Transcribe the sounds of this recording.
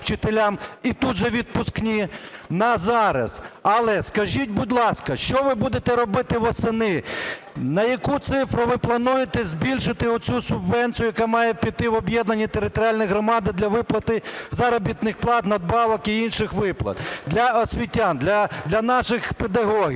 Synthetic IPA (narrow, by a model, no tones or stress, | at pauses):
t͡ʃɪt̪elʲamit̪ud̪ʒɛʋʲid̪̚pʊsknʲinɐzɑɾɐ̰sɐlˠɛskɐʒʲit̚ʲbudʲlˠɑskɐʃt͡ʃɔʋɪbud̪et̪ɛɾɔbɪt̪ɪʋɔsenɪ | nɐjɐkut̪sɪfɾʊʋɪplˠɐnujet̪ɛzʲbʲilʲʃɪt̪ɪɔt͡sʲusʊbʋɛnʲt̪ʲt͡sʲijʊjɐkamɑjɛpʲit̪ɪʋɔbʲjɛd̪nɐnʲːit̪eɾɪt̪ɔɾʲɪalʲnɔjɦɾɔmɑd̪ɪd̪lʲɐʋɪplˠɐt̪ɪzɐɾɔbʲit̪nɪxplˠɑt̪nɐd̪̚bɑʋɔkiinʃɪxʋɪplˠɐ̰t̪d̪lʲɐɔsʲʋʲitʲːand̪lʲɐd̪lʲɐnɑʃɪxped̪ɐɦɔɦʲi